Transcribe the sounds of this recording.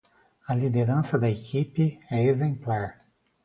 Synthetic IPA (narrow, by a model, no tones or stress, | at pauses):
ɐlid̪eɾɐ̃sɐd̪ɐekʰipɪɛezẽmplaɾ